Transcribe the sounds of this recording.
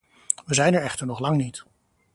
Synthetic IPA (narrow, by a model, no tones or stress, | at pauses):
ʋəzɛjnɛɹɛχtəɹnɔχlɑŋnit